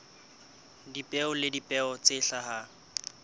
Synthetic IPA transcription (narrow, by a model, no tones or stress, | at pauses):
dipʼɛʊlɪdipʼɛɔt͡sʼɪɬaha